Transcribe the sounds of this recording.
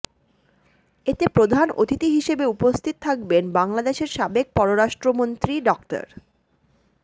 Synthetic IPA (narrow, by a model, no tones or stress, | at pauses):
et̪epɾod̪ʱano̰t̪it̪iɦiʃebeupost̪ʰit̪ot̪ʰak̚benbaŋlad̪eʃeɾʃabek̚pɔɾoɾaʃʈɾomont̪ɾiɖɔkʈa̰ɾ